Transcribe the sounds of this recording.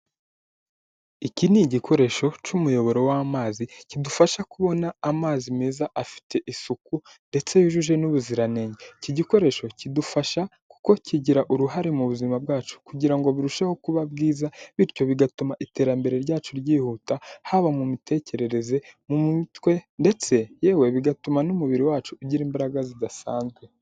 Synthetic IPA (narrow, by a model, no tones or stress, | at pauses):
iciniɟikʰo̞ɾe̞ʃo̞t͡ʃumujo̞βo̞ɾo̞wamaːzicidufaʃakuβo̞naːmaːzimeːzaʔafi̥tʰe̞ʔisuku | nde̞t͡se̞juʒuʒe̞nuβuziɾane̞ːɲɟeciɟiko̞ɾe̞ʃo̞cidufaʃa | ku̥ko̞cʰiɟiɾaʔuɾuɦaɾemuβuzimab̚ɡaːt͡ʃu̥kuɟiɾaŋɡo̞βiɾuʃaho̞kuβabɡiːzaβiɾco̞βiɡatumaʔite̞ɾambe̞ɾe̞ɾɟaːt͡ʃuɾɟiːhuːtahaβamumite̞ːce̞ɾe̞ɾe̞ze̞mumitwe̞nde̞t͡se̞je̞ːwe̞βiɡatumanumuβiɾiwaːt͡ʃuːɟiɾiːmbaɾaɡazidasa̰ːnzɡwe̞